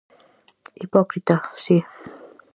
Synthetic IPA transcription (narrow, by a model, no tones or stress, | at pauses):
ipɔkɾit̪asi